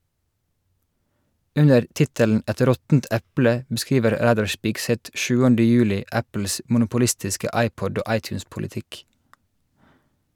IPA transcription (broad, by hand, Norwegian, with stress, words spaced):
ˈʉɲəɾ ˈtɪtəln ˈʔɛt ˈɾɔtn̩t ˈʔæplə bəˈskiːʋəɾ ˈɾæːdɑɹ ˈʃpɪɡˌsɛt ˈʔʃʉːəndə ˈjʉːlɪʔ ˈæpl̩s ʔmʊnʊpʊˈlɪstɪskə ˈʔɑɪpɔd ˈoː ˈʔɑɪtjʉːspʊlɪˌtɪk